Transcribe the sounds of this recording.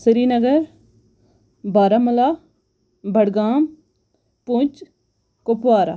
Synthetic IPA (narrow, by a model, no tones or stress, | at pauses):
səɾiːnəɡəɾ | baːɾaːmɐlaː | bʱəɽɡaːm | pʊt͡ʃ | kopʋaːɾa̰ː